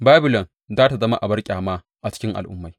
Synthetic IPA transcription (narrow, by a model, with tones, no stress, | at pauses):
baː˦bɪ˨lɔ˨n | daː˦ta˨zɐ˦ma˦ʔa˨bɐ˦rkʲʼaː˨maː˦ | ʔa˨t͡ʃɪ̥˦kʲɪ˦ŋʔa̰˨lʔʊ̰˦mːa˨j